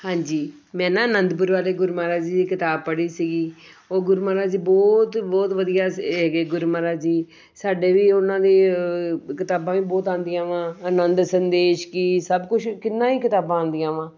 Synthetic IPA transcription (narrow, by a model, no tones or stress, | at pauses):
hãːɲd͡ʒiː | mɛ̃ːnãːənənd̪pʊɾʋaːleːɡʊɾmaːɾaːd͡ʒiːd̪iːkɪt̪aːb̚pəɽiːsiɡiː | oːɡʊɾumaːɾaːd͡ʒiːbɔːt̪bɔːt̪ʋəd̪ijaːɛːɡeːɡʊɾmaːɾaːd͡ʒiː | saːɖeːʋiːʊnãːd̪eː | kɪt̪aːbãːʋĩːbɔːt̪ãːnd̪ijãːʋãːənənd̪sənd̪eːʃkiːsəbkʊt͡ʃʰkɪnːãːiːkɪt̪aːbãːnd̪ɪjãːʋãː